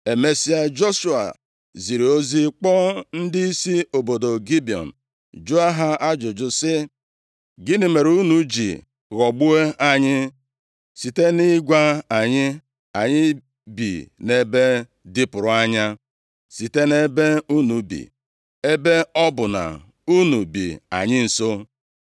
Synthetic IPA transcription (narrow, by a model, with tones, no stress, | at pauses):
e˨me˦si˦a˦d͡ʒo˦ʃu˨a̰˨ | zi˨ɾe˨o˦zi˦k͡pɔ˦n̩˦di˦i˦si˦o˨bo˨do˨ɡi˦bi˨ɔ̰˨n̩˨ | d͡ʒu˦a˦ɦa˦a˦d͡ʒʊ˨d͡ʒʊ˨sɪ˦ | ɡɪ˦nɪ˨me˨ɾu˦nu˨d͡ʒḭ˨ | ɣɔ˨ɡ͡bu˦e˦a˨ɲɪ˦ | si˨te˦nɪ˦ɡʷa˦a˨ɲɪ˦ | a˨ɲɪ˦ | bḭ˨ne˦be˦ | dɪ˦pʊ˨ɾʊ˨a˦ɲa˦ | si˨te˦ne˦be˦u˦nu˨bḭ˨ | e˦be˦ɔ˦bʊ˨na̰˨ | u˦nu˨bḭ˨a̰˨ɲɪ˦n̩˨so˦